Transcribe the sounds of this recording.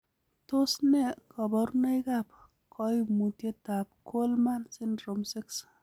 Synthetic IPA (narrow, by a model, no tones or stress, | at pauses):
t̪osnekɔbɔɾnɐjɡap | kʰɔjmut̪et̪ap̚kʰolmansinɾomsiks